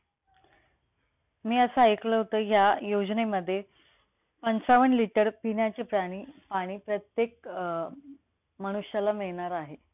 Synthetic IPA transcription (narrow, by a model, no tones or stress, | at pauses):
miːəsəajkləɦot̪əːjajod͡ʑneməd̪ʱːje | pənt͡saʋəɳliʈəɾpinjat͡ɕepɾaɽ̃iːpaɽ̃iːpɾət̪jek̚ | məɽ̃uɕjalamiɭɳ̃aɾaɦe